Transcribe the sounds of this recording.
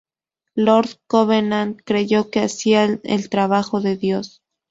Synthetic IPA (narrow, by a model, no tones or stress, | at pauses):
lo̞ɾðkoβeɾnand̪kɾe̞ʝo̞ke̞asiaḛlt̪ɾaβ̞axo̞ðe̞ðjo̞s